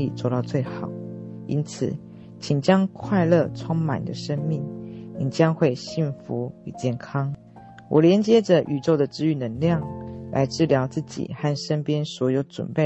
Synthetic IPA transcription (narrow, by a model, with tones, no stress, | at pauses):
ḭ˥˨t͡swɔ˥˧t̪ɑ˥˧ʊt͡swe˥˩ɪxɑ˨˩˦ʊḭ˥nt͡s̩ʰ˨˩ | t͡ɕʰi˨˩ŋt͡ɕjɑ˦˥ŋkʰwa˥˧ɪlə˥˧t͡sʰwo˥ŋma̰˨˩nd̪ə˦ʂə˥ŋmi˥˩ŋni˨˩t͡ɕjɑ˥ŋxwe˥˧ɪɕi˥˩nfu˧˥˦y˨˩t͡ɕjɛ˥˩nkʰɑ˥ŋ | wʔɔ̰˨˩ljɛ˧˥nt͡ɕjɛ˥ʈ͡ʂə˨ʔy˨˩ʈ͡ʂo˥˩ʊd̪ə˨˩ʈ͡ʂɹ̩˥y˧˨˩nə˧˥ŋljɑ˥˩ŋla̰˧˥ɪʈ͡ʂɻ̩˥˩ljɑ˧˥ʊt͡sɹ̩˥˩t͡ɕḭ˨˩xa˥˩nʂə˥npjɛ˥nswɔ˧˥jo˧˥ʊʈ͡ʂwə̰˨˩npe˥˩